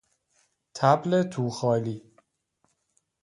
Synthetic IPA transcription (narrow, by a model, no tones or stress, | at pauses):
t̪ʰæblet̪ʰuːxɒːliː